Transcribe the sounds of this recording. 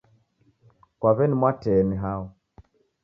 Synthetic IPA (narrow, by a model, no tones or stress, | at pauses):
kwaβɛnimwatɛːniɦaɔ